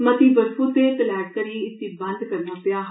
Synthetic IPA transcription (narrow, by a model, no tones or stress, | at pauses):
mət̪iːbəɾfuːt̪eːt̪əlɛːʈ̚kəɾiːɪt̪ːiːbə̃nd̪kəɾnaːpɪaːɦ